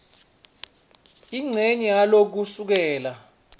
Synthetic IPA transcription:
iŋ͡ǀʱeɲialok̬usuk̬ɛːla

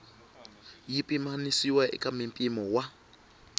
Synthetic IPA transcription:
jipʼimanisiwaʔɛ̰kʼamimpʼimɔwa

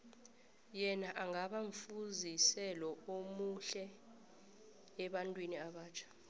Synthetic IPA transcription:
jɛnaʔaŋaɓaɱfuzisɛlɔomuɬɛ | ɓantʼwiniaɓaːt͡ʃʰḁ

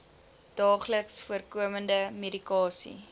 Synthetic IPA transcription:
d̥ɑːχləksfuərkuəməndəmedikɑːsḭ

